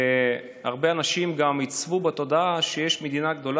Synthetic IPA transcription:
aʁbeanaʃimɡamit͡svubat̪o̞d̪aʃejeʃmed̪inaɡd̪o̞l

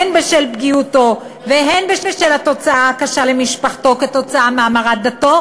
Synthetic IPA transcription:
enbeʃelbɡiuto̞ | veɦenbeʃeʃelhat̪o̞t͡saʔakaʃalemiʃpaχt̪o̞ket̪o̞t͡saʔameamaʁat̚d̪at̪o̞

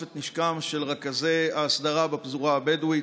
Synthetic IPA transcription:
et̪niʃkamʃe̞lʁakazeaːsd̪aʁabapzuʁabedwi

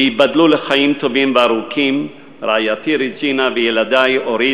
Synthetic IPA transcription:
ibad̪luleχajimt̪o̞vimveaɾukʰim | ɾaajatiɾid͡ʒinavejelad̪ajoɾi

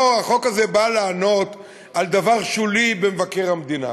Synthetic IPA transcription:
aχo̞kazebalaːno̞t̪ | ald̪avaʁʃulibemevakeʁhamed̪ina̰

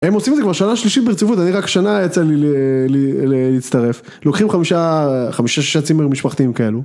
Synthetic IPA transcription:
emo̞simedzekvaʁʃanaʃliʃit̪beʁt͡sivut̪̬aniʁakʃanajat͡salilelleliːt͡st̪aʁe̞f | lokχimχamiʃaχamiʃaʃiʃat͡simeʁmiʃpaχt̪iimkae̞lu

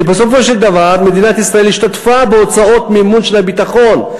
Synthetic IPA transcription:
ebeso̞fo̞ʃetd̪avaʁme̞d̪inat̪isʁaelhiʃtat̪fabeo̞t͡sao̞t̪miimunʃelhabit̪aχo̞n

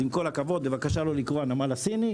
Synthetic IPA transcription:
imko̞lakavo̞d̪̚bevakaʃalo̞likʁoanamalasini

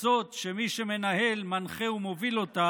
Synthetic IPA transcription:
zo̞t̪ʃemiʃeme̞naɦe̞lmanχeumo̞vilo̞t̪a

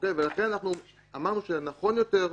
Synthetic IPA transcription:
okejvelaχe̞nanaχnu | amaʁnuʃenaχo̞njo̞te̞ʁ

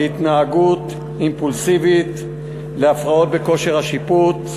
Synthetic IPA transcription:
it̪naːɡut̪ | impulsivit̪ | leafʁao̞t̪̚be̞ko̞ʃeʁhaʃiput

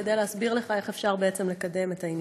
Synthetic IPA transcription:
edejleɦasbiʁle̞χaeχefʃaʁbeet͡se̞mle̞kade̞me̞tain

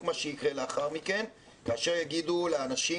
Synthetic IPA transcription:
maʃejikʁe̞leaχaʁmike̞n | kaːʃe̞ʁjaɡid̪uleanaʃi

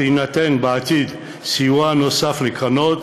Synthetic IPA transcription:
inat̪ɛnbaːt̪id̪ | siwanosaflikʰanɔt̪

